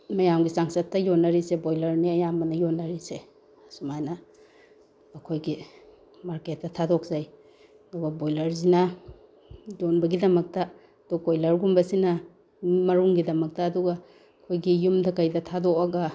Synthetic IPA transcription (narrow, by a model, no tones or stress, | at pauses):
mɐjamɡisaŋsɐtːɐjonːɐɾisebojlɐɾniɐjamɐnɐjonːɐɾise | sumajnɐ | ɐkʰojɡi | maɾket̚ːɐtʰadok̚zaj | ɐduɡɐbojlɐɾzinɐ | d͡ʒonbɐɡidɐmɐk̚tɐ | ɐdukojlɐɾɡumbɐsinɐ | mɐɾuŋɡidɐmɐk̚tɐːduɡa | kʰojɡijumdɐkɐjdɐtʰadok̚ɐɡɐ